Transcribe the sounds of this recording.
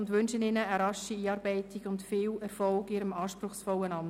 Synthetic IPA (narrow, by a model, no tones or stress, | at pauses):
ʊndʋʏnʃənɪnəːɾɑʃiiːɑːɾbɛɪtiɡ̥ʊntfɪːlɛɾfɔlɡɪɾəmɑːʃpɾʊχsfɔlːənɑm